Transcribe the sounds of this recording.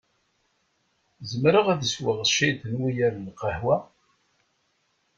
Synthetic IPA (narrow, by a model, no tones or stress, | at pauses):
zəmɾəʁæðəswəʁʃid̪ənwijæɾlqəhwæ